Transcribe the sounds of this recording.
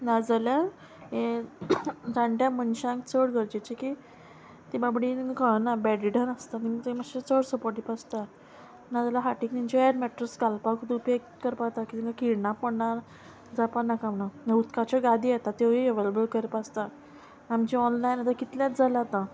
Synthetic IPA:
nad͡zalja | ɦe | d͡zãɳʈjãmənɕãŋkt͡sʰəɽɡʱəɾd͡ʑet͡ɕeki | t̪ebabɽinkənabɛɖiɖənəst̪anit̪emaɕet͡səɽsəpoɾʈipast̪a | nad͡zalaɦaʈikniɲt͡ɕiɛɖmɛʈɾəsɡalpakud̪upek̚ | kəɾpat̪akit̪iŋkakiɽɳapəɽɳaɾ | d͡zapanakamnanəut̪kat͡ɕaɡad̪ʱiːat̪at̪eʋieʋeləbəlkəɾpast̪a | amt͡ɕiɔnlajnat̪akit̪ljãt̪d͡zalat̪ã

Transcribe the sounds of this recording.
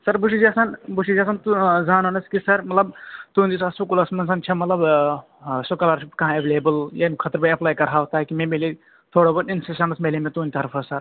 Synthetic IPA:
sɐɾbuʃid͡ʒasanbuʃid͡ʒɐːsant̪uzaːnɐnɐskisɐɾmɐt̪lɐb̚t̪uːnd̪isɐsʋɐkulɐsmɐnsɐnt͡ʃʰɐmɐt̪lɐb | sokɐlaɾt͡ʃʰipkɐɦãeʋeːleːbəljanikʰɐt̪ɾbɐjɐplaːjkɐɾɦaːʋt̪aːkimẽmele | t̪ʰoːɽobɐninsisɐnɐsmeːlemẽt̪uːnʲt̪ʰɐɾfʰɐsɐɾ

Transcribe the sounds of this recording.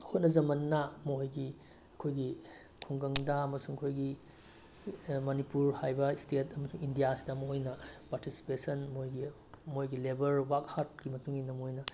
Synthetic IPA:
hot̚nɐzɐmɐnːamoojɡi | ɐkʰojɡi | kʰuŋɡɐŋdɐɐmɐsuŋɐkʰojɡi | mɐnipuɾhajbɐstetʰɐmɐsuŋindijasi̥dɐmɐojnɐpaɾtisi̥pesɐnmojɡi | mojɡilebɐɾwakhat̚ɡimɐtuŋinɐmoojnɐ

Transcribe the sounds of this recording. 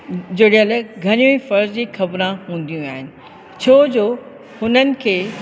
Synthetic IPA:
d͡ʑeːɽiɦəlɡʱɐɾijũifɐɾd͡ʑd͡ʑiːxɐbɾãɦũːn̆d̪ijũaːɦɪnɪ̆ | t͡ɕʰoːd͡ʑoː | hʊnənɪ̆kʰeː

